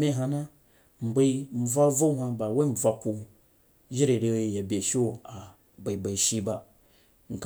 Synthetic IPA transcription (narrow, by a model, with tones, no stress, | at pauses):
mʲe˦ɦa˧na˦ | m̩˨be˧i˦m̩˦˨b͡vʷa˦vo˦hʷã˧ba˨we˦m̩˨b͡vʷa˧ku˧ | ʒi˦ɾe˨ɾe˧we˧ja˨bʲe˨ʃo˦a˨ | ba˨i˨ba˧iʃi˧ba˧ | ŋ̩˨k